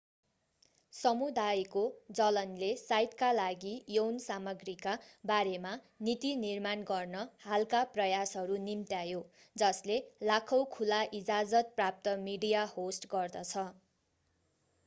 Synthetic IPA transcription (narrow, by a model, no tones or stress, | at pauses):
sʌmud̪ajkod͡zʌlʌnlesajt̪kalaɡijownsamʌɡrikabaɾema | nit̪inirmanɡʌrnʌhalkaprʌjasɦʌɾunimt̪jajo | d͡zʌslelakʰʌwkʰulaʔid͡zad͡zʌt̪̚prap̚t̪ʌmiɽijahosʈɡʌrd̪ʌt͡sʰʌ